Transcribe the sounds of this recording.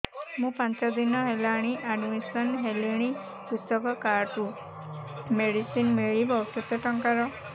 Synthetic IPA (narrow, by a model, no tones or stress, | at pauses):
mũpãnt͡ʃɔd̪inɔɦelaɽ̃iʔaɖmisɔnɦeliɽ̃i | pust̪ɔkɔkaɾʈu | meɽisinmeɭibʱɔwt̪ɔt̪ɔʈɔŋkaɾɔ